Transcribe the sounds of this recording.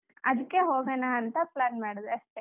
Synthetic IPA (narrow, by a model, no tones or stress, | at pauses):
ɐd̪ukːeɦoːɡɐnaːɐnt̪ɐplaːnmaːɽɐd̪eɐʂʈe